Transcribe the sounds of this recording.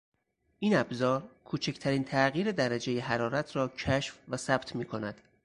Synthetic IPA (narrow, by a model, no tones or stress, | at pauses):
ʔiːnæbzɒːɾkʰuːt͡ʃʰecʰt̪ʰæɾiːnt̪ʰæɣiːɾed̪æɾæd͡ʒe̞jeɦæɾɒːɾæt̪ʰɾɒːcʰæʃfvæsæb̥t̪ʰmiːkʰo̞næd̪̥